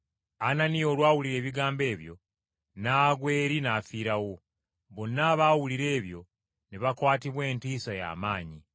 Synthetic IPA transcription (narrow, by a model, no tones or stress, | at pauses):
ananio̞ːlwaːwuliɾe̞ːβiɡaːmbe̞ːβjo̞̰ | naːɡwe̞ːɾinaːfiːɾawo̞ | βo̞nːaβaːwuliɾe̞ːβjo̞ | niβakwaːtiβwe̞ːntiːsaja̰ːmaːɲi